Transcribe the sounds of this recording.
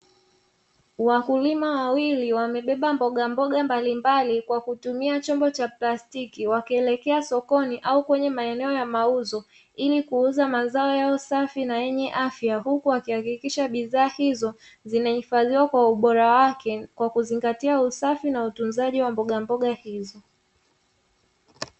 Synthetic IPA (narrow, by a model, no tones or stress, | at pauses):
wakulimawawiliwamɛɓɛɓambɔɠambɔɠambalimbalikwakutumiat͡ʃɔmbɔt͡ʃaplastikiwakiɛlɛkɛasɔkɔniʔaukwɛɲɛmaɛnɛɔjamauzɔ | ilikuuzamazaɔjaɔsafinajɛɲɛʔafjaɦukuakihakikiʃaɓiðaːhizɔ | zinahifaðiwakwauɓɔɾawakɛkwakuziŋɡatiausafinautunzaʄiwambɔɠambɔɠahizɔ